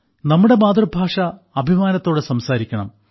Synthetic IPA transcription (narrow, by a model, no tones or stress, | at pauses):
nɐmːuɽe̞maːd̪rɐbʱaːʂɐ | ɐbʱimaːnɐt̪ːo̞ːɽesɐmsaːɾikʲːɐɳɐm